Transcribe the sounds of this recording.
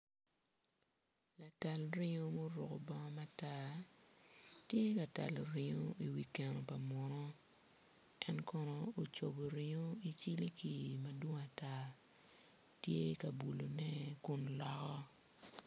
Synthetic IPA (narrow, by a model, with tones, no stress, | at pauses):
la˨ta˨lɾɪ˦ŋo˦mo˦ɾʊ̰˨ko˨bɔ˦ŋɔ˦ma˦ta˦ | tje˦ka˨ta̰˨lo˨ɾɪ˦ŋo˦i˨wi˨ke˨no˨pa˨mɔ˨nɔ˦ | ɛ˦nkɔ˨nɔ˨o˨t͡ʃo˨bo˨ɾɪ˦ŋo˦i˦t͡ʃi˦li˦ki˨ma˨dwo˦ŋa˨ta˦ | tje˦ka˨bu˨lo˨nɛ˦ku˦nlɔ˦kɔ˦